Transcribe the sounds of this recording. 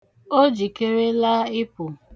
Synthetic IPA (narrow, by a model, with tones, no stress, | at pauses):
o˦d͡ʒi˨ke˦ɾe˦la˦ɪ˦pʊ˨